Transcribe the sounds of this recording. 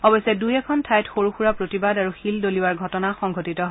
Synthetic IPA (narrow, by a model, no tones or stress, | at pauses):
ɔbɔjsɛdujɛkʰɔntʰajtxoɹuxuɹapɹotibadaɹuxildoliwaɹɡʱɔtɔnaxɔŋɡʱotitɔɦ